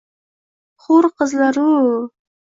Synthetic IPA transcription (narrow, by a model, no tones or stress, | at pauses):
χuɾqəzlˠɑɾu